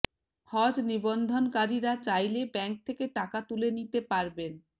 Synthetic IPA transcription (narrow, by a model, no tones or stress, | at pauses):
hɔd͡ʑnibond̪ʱonkaɾiɾat͡ɕajlebɛŋk̚t̪ʰekeʈakat̪ulenit̪epaɾben